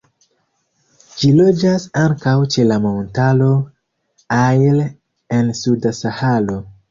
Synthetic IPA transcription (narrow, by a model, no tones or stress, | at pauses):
d͡ʒilo̞d͡ʒasaŋkawt͡ʃe̞lamontalo̞ | ajl | ensudasahalo̞